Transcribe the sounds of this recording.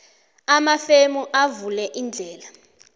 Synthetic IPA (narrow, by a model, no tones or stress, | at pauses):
amafemuʔavulɛʔind͡ɮʱɛːla